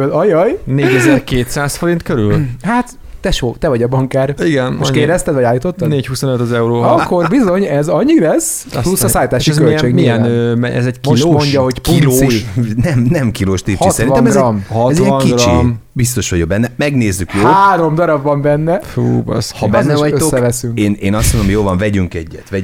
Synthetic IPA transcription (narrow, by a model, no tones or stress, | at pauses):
ølɒjɒjneːɟɛzɛrkeːt̪saːsfo̞ɾint̪køɾylhat̪ː | ɛʃoːt̪ɛvɒɟɒbɒŋkaːriɡɛnoʃkeːɾɛst̪ɛd̪vɒɟaːlːit̪o̞t̪ːɒeːchusonøt̪ɒzɛuɾoːɒkːo̞rbizo̞ɲɛzɒɲːilɛs | plusːɒssaːlit̪aːʃiɛzøit͡ʃeːɡmiɛnømɛɛ̰zɛɟkilomoɲɟɒho̞ɟkiloːnɛmnɛmkiɾoːʃt̪ipht͡ʃitsɛɾinvɛmɛɡɒmhɒtɛziɛŋkiɡrt͡ʃḭmbist̪o̞ʃʋɒɟoɡ̚bɛnːɛmɛɡneːzːykjoːaːɾo̞md̪ɒɾɒbvɒmbɛnːɛfuːbɛ̰shɒbɛnːɛvɔøt̪sokːɛvɛsyŋkeːneːnɒst̪monomojoːlvɒɱvɛɟyŋkɛɟːɛt̪ʋɛ